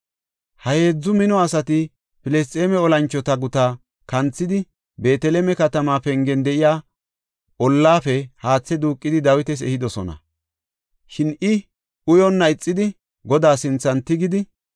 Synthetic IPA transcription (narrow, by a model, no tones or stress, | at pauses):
hɐhe̞ːd͡zːʊmɪnɔɐsɐt̪ɪ | pɪlɛs̬t̪ʼeːmɛɔlɐnt͡ʃːɔt̪ɐɡʊt̪a | kɐnt͡sːɪd̪ɪ | be̞ːt̪ɛlɛmɛkɐt̪ɐmaːpɛŋɡɛnd̪ɛʔɪjaː | ɔlːaːfɛhaːt͡sːɛd̪uːkʼːɪd̪ɪd̪ɐwɪt̪ɛs̬ɛ̰hɪd̪ɔsɔnɐ̰ | ʃɪnɪ | ʊjɔnːɐɪt͡sʼːɪd̪ɪ | ɡɔd̪aːsɪnt͡sːɐnt̪ɪɡɪd̪ɪ